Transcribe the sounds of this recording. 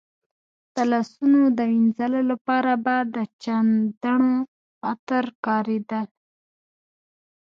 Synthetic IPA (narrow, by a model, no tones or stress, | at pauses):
t̪alɑsunod̪əwinzalolapɑɾabad̪ət͡ʃand̪aɳo | xat̪əɾkɑɾed̪əl